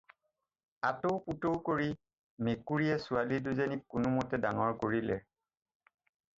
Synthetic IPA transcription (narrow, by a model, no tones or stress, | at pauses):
atoʊputowkoɹi | mekuɹijɛsualiduzenikːʊnʊmɔtɛdaŋɔɹkoɹilɛ̰